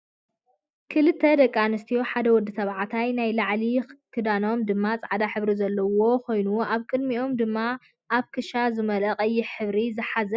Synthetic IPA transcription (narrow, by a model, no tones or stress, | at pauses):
kʰɨlɨt̪ʰːɐd̪ɐkʼːanɨst̪ʰijo̞ħad̪ɐwɔd̪ːɨsɐβʕat̪ʰajnajlaʕlikʰɨd̪ano̞md̪ɨmːat͡sʼaʕad̪aħɨβɾizɐlːɐwo̞kʰo̞jnuʔaβkʼɨd̪miʔo̞md̪ɨmːa | ʔaβkʰɨʃazɨmɐlɐqʼɐjːɪħɨβɾizɨħazɐ